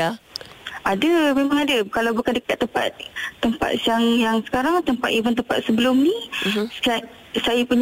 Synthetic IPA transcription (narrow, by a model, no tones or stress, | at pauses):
ʔadəmemãŋadakalawbukandəkat̪ːəmpa̰t̪̚ːəmpa̰t̪̚jaŋjaŋsə̥kaɾaŋt̪əmpat̪ivənt̪̬əmpat̪̚səbəlʊmni | a | sajapuɲ